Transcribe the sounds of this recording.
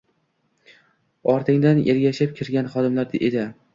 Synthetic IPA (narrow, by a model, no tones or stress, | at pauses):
ɒɾt̪ʰɪŋd̪aneɾɡʲaʃɪp̚kʲʰɪɾɡʲanχɒd̪ɪmlaɾd̪ʔed̪ɪ